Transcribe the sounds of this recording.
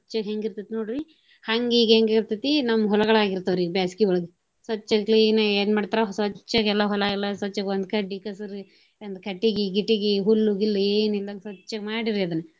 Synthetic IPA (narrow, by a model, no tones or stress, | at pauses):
ɐt͡ʃːɐɦeŋɡiɾt̪it̪ːnoːɽiɾi | hɐŋɡiːɡɦeŋɡiɾt̪it̪ːinɐmːɐɦɔlɐɡɐɭaːɡiɾt̪ːɐʋɐɾiɡbjaːsi̥kiɔɭɐɡe | sʋɐt͡ʃːɐkliːnɐeːnmaːɖt̪aɾɐsɐt͡ʃːɐɡɛlːɐɦɔlailːɐsɐt͡ʃːɐɡond̪̚kɐɖikɐsɐɾ | ɐnd̪kʰɐʈːiɡiɡiʈːiɡiɦulːuɡilːɐeːnild̪aŋɡsʋɐt͡ʃːɐɡmaːɽiɾiɐd̪ɐnːe